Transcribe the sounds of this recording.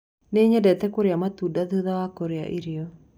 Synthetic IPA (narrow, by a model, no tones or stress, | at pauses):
neɲɛdɛt̪ɛkoɾeamat̪udaðuðawakoɾea̰ʔiɾiɔ